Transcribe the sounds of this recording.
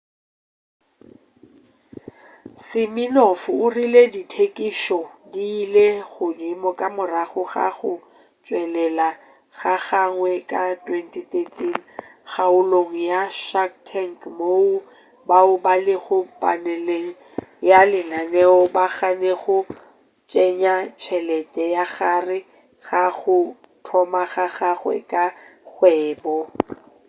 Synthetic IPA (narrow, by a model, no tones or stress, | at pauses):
sɪminɔfʊʊrileditʰekʼiʃɔdiːleɣʊdɪmɔkʼamʊraɣʊɣa̰ɣʊ | t͡ʃʼwɛlɛla | ɣaɣaŋwɛkʼatʼwɛntʼitʼetʼinɣaʊloŋ̩jaʃaktʰɛŋkmou | baʊbalɪɣʊpʼa̰nɛleŋ̩ | jalɪnanɛɔbaχaneɣʊ | t͡ʃʼɛɲat͡ʃʰɛlɛtʼɛjaɣarɪ | ɣaɣʊ | tʰɔmaɣaɣaɣwɛ̰kʼaɣwɛːbɔ